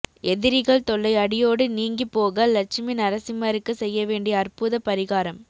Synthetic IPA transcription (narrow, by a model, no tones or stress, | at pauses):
ɛðɪɾɪɣɐɭt̪ɔɭːɐɪɐɽɪjoːɽɯniːŋɡipːoːɣɐlɐt͡ʃɪmɪnɐɾɐsɪmɐɾɯkːɯsɛjːɐʋeːɳɖɪjɐːrpʊðɐpɐɾɪɣaːɾɐm